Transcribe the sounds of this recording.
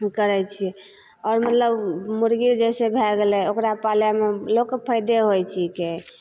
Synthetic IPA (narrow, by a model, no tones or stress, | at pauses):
kəɾɛt͡ʃʰiɛ | ɔːɾmət̪ləbmuɾɡiɾd͡ʒɛsebʱɛɡelɛokɾapaljamelokpʰəjd̪eɦojt͡ʃʰike